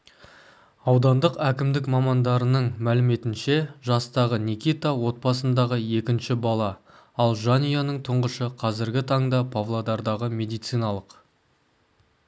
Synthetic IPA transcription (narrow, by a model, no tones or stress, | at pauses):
ɑwd̪ɑnd̪əqækʲɪmd̪ɪkmɑmɑnd̪ɑɾənəɴmælɪme̞t̪ɪnʃe̞ʒɑst̪ɑʁənʲikʲijt̪awo̞t̪̚bɑsənd̪ɑʁəje̞kʲɪnʃɪbɑlˠɑ | ɑlˠʒanijanəɴt̪ʰʊɴʁəʃəqʰɑzɪɾɡʲɪt̪ʰɑɴd̪ɑpʰavlˠod̪ɑɾd̪ɑʁəmʲe̞d̪ijt̪sijnɑlˠəq